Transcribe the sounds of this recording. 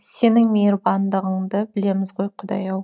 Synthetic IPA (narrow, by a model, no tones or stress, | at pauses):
se̞nɪŋmeɾbɑnd̪əʁəɴd̪əbɪle̞mɪzʁo̞jqʰʊd̪ɑ̰jɑw